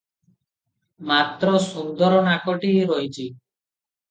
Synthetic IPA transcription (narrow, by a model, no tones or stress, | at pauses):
mat̪ɾɔsund̪ɔɾɔnakɔʈiɾɔjt͡ʃʰi